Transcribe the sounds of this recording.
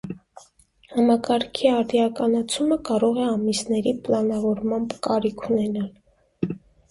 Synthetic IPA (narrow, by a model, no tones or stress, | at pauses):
hɑmɑkɑɾkʰiɑɾd̪jɑkɑnɑt͡sʰuməkɑɾɔʁɛɑmisnɛɾiplɑnɑvɔɾmɑmbkɑɾikʰunɛnɑl